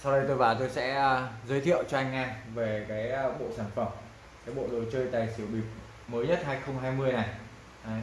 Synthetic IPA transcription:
sa˧wɗə˧jt̪o˧jvaː˧˩t̪o˧jsɛ̰˧˥əː˧˩zəː˨˦t̪ʰḭ˧˨əwt͡ɕɔ˧ʔa˧jŋ̟ʔaː˧nve˨˩kaː˨˦jɓo̰˧˨saː˧˩nfə˨˩m | kaː˨˦jɓo̰˧˨ɗo˨˩jt͡ɕəː˧jt̪aː˨˩jsi˨˩əwɓi˨˩p̚ | məː˨˦jɲə˦˥t̚haː˧jxə˧wŋ͡mɦaː˧jmɨ˧əjna˨˩j

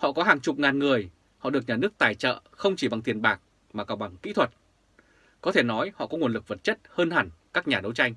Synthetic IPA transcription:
hɔ̰˧˨kɔ˨˦ɦaː˨˩ŋt͡ɕʊ˨˩p̚ŋaː˨˩nŋɨ˨˩əj | hɔ̰˧˨ɗək̚ɲaː˨˩nɨ˦˥ək̚t̪aː˨˩jt͡ɕə̰ː˧˨xə˧wŋ͡mt͡ɕi˧˩ɓa˨˩ŋt̪ʰi˨˩ənɓaː˨˩k̚ | maː˨˩kaː˧˩wɓa˧˩ŋkḭ˧˥t̪ʰwə˨˩t̚ | kɔ˨˦t̪ʰe˧˩nɔ˨˦jhɔ̰˧˨kɔ˨˦ŋu˨˩ənlɨ˨˩k̚və˨˩t̚t͡ɕə˦˥t̚həː˧nhaː˧˩ŋkaː˦˥k̚ɲaː˨˩ɗə˨˦wt͡ɕa˧jŋ̟

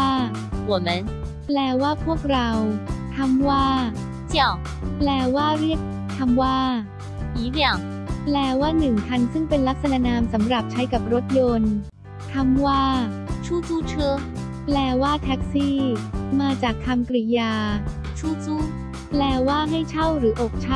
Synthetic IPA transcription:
wɔ˨˩mə˨˦n | plɛː˧waː˥˩pʰu˥˩ək̚ɾa˧wt̪ʰa˧˥mwaː˥˩ | t͡ɕja˨˩ | plɛː˧waː˥˩ɾi˥˩ək̚ | t̪ʰa˧mwaː˥˩ | i˨˦mjɑ˨˩ʊ | plɛː˧waː˥˩nɯ˨˩ŋkʰa˧nsɯ˥˩ŋpe˧nla˦˥k̚sa˧naː˧˥naː˧msa˩˦mɾa˨˩p̚t͡ɕʰa˦˥jka˨˩p̚ɾo˦˥t̪̚jo˧n | t̪ʰa˧mwaː˥˩ | t͡ɕʰuː˥˩t͡suː˥˩t͡ɕʰɯ˥ | plɛː˧waː˥˩t̪ʰɛ˦˥k̚siː˥˩maː˧t͡ɕaː˨˩k̚t̪ʰa˧mkɾi˧jaː˧ | t͡ɕʰuː˥˩t͡suː˥˩ | plɛː˧waː˥˩ɦa˥˩jt͡ɕʰa˥˩wɾɯː˩˦ʔo˨˩k̚t͡ɕʰa˥

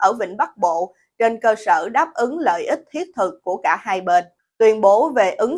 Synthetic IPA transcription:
ʔəː˧˩vḭ˧˨ŋ̟ɓa˦˥k̚ɓo̰˧˨ | t͡ɕe˧nkəː˧səː˧˩ɗaː˦˥p̚ʔɨ˨˦ŋlə̰ː˧˨jʔi˦˥k̟̚t̪ʰi˦˥ət̚t̪ʰɨ˨˩kːu˧˩əkaː˧˩haː˧jɓeː˧˩n | t̪wi˧ənɓo˨˦ve˨˩ʔɨ˨˦ŋ

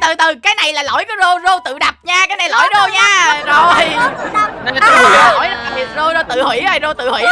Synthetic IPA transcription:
t̪ɨ˨˩t̪ɨ˨˩kaː˨˦jna˨˩jlaː˨˩lo̰˧˩jkɔ˨˦zo˧zo˧t̪ɨ̰˧˨ɗa˨˩p̚ɲaː˧kaː˨˦jna˨˩jlo̰˧˩˦jzo˧ɲaː˧zo˨˩j | nə˧˩˨t̪ɨ̰˧˨˦kɔ˨˦lo̰˧˩˦ja˦a˨˩ɓi˨˩ət̚zo˧zo˧t̪ɨ̰˧˨hwi˧˩˦a˧˩jzo˧t̪ɨ̰˧˨hwḭ˧˨˦

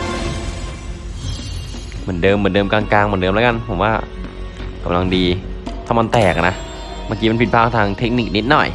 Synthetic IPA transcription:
mɯ˩˦əndɤː˧mːɯ˩˦dɤː˧mkaː˧nklaː˧ŋmɯ˨˩˦dɤː˧mlːka˧npʰo˩˦mwaː˥˩ | ka̰˧mla˧ŋdiː˧t̪ʰaː˥˩ma˧nt̪ɛː˨˩k̚na˦˥ʔ | maː˧kiː˧m˧npi˨˩pʰaː˥˩t̪ʰaː˧ŋt̪ʰe˦˥k̚niː˨˩k̚ni˦˥t̪̚nɔ˨˩j

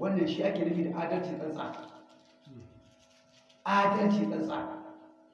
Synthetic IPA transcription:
wɐ˦nːɐ˨ʃiː˦ʔa˦kʲeː˨nɐ˦kʲiː˨da˨ʔaː˦dɐ˦lt͡ʃiː˨ɗɐ˦nsʼa̰ː˨ | ʔaː˦dɐ˦lt͡ʃi˨ɗɐ˦nsʼa̰ː˨

